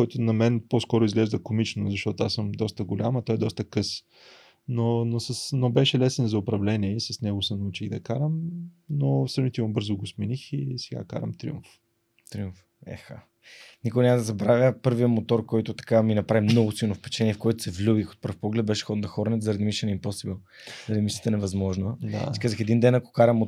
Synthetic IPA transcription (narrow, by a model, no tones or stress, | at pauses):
kɔjt̪ʊnɐmɛnposkɔɾʊizɡlɛʒd̪əkomit͡ʃnʊzɐʃt̪ɔt̪ʊasəmd̪ɔst̪əɡʊlʲamɐt̪ɔɛd̪ɔst̪əkɤs | nonosɐsnobɛʃɛlɛsɛnzɐʊpɾɐvlɛniɛisɐsnɛɡʊsɛnɐut͡ʃiɣd̪ɐkaɾəmnosɾɐnit̪ɛmbɤɾzʊɡosminixisɛɡa̰ka̰ɾɐ̰mt̪ɾḭṵmɱf | t̪ɾiuɱf | ɛ̰xa̰ | nikonʲaməd̪ɐzɐbɾavʲjəpɤɾviəmot̪ɔɾkɔjt̪ʊt̪ɐ̥kaminɐpɾavimnɔɡʊsilˠnofpɛ̥t͡ʃt̪ɛnʲiɛfkoɛt̪ʊ̥sɛvlʲubixot̪̚pɤɾfpɔɡlɛd̪̚bɛʃɛ̥xɔd̪d̪ɐxɔɾnɛt̪zɐɾɐd̪imiʃɛnimposibilˠ | zɐɾd̪imiʃɛ̥t̪ɛnɛvɐzmɔʒnəa̰sikazəxɛd̪ind̪ɛnɐko̥kaɾɐmo